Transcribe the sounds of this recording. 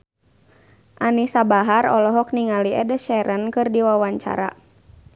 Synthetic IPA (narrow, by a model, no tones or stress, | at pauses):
ʔanisabaɦaɾɔlɔɦɔk̚niŋaliɛdəʃɛɾʔənkɨrdiwawaɲt͡ʃa̰ɾa